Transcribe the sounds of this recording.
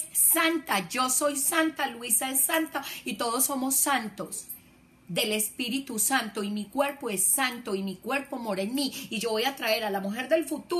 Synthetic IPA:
sant̪ad͡ʒo̞so̞jsant̪aluisaesːant̪ait̪o̞ðo̞sːo̞mo̞sːant̪o̞s | d̪e̞le̞spiɾit̪usant̪oimikwe̞ɾpo̞esːant̪o̞imikwe̞ɾpo̞moɾaenmiiʝo̞βo̞jat̪ɾae̞ɾalamuxe̞ɾd̪e̞lfut̪u

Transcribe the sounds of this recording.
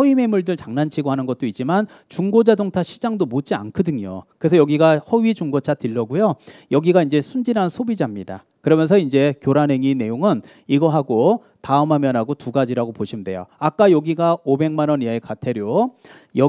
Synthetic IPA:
hʌɥime̞muɭdɯɭt͡ɕaŋnant͡ɕʰiɡoɦanɯnɡʌt̚t͈oit̚t͡ɕ͈iman | t͡ɕuŋɡod͡ʑadoŋtʰaɕʰid͡ʑaŋdomot͡ɕ͈ia̰nkʰɯdɯŋjo̰kɯɾe̞sʰʌjʌɡiɡahʌɥid͡ʑuŋɡot͡ɕʰatɯɭːʌɡujojʌɡiɡaind͡ʑe̞sʰund͡ʑinɦansʰobid͡ʑamɲida̰ | kɯɾʌmjʌns̬ʰʌind͡ʑe̞kjoɾanɦe̞ŋine̞joŋɯn | iɡʌɦaɡo | taɯmɦamjʌnɦaɡotuɡad͡ʑiɾaɡopoɕʰimde̞̰jo̰ak͈ajʌɡiɡaobe̞ŋmanʌniekatʰe̞ɾjo | jʌ

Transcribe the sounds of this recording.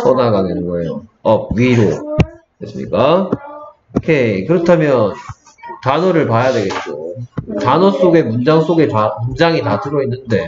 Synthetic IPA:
s͈ʰʌnaɡanenɯnɡʌe̞joʌɥiɾo | kes͈ɯmɲḭk͈a | kʰekɯɾʌtʰamjʌn | tanʌɾɯɭpajadwe̞ɡe̞t̚t͡ɕ͈otanʌs͈oɡe̞mumd͡ʑaŋs͈oɡetamumd͡ʑaŋitatɯɾʌinːɯnde̞

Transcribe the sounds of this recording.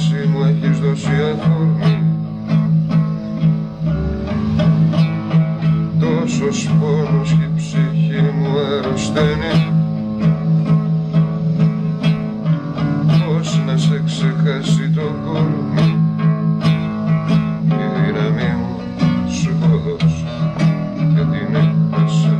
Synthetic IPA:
simuɐçizðosiɐθoɾmu | t̪ososponosçipsiçimuɐɾust̪eni | osnɐseksexɐsit̪oɡoɾmu | iðinɐmimu | skoðos | kɐt̪ineɐs

